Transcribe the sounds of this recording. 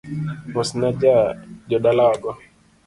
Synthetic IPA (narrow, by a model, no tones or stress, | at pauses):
mɔsnad͡ʒad͡ʒɔɗalaaɡɔ